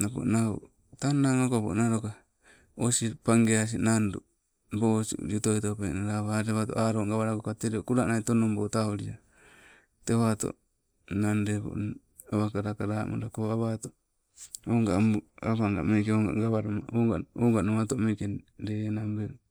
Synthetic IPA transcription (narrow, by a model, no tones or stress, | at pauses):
napo̰nao̰ | tanaŋokapo̰naɾoka | osipaŋɡeas̬inandu | bosṵd͡ʒutoitopenaɾaβaɾeβatoʔaɾoŋɡaβaɾakokat̪eɾiokuɾaʔnaitonombotaoɾia | teβat̪o̰ | nandebo̰ | aβakaɾakaɾamʔo̰ɾakoaβat̪o | oŋɡaaβaŋɡa̰mekeoŋɡa̰ɡaβaɾomaoɡaoŋɡanomatomekendenambe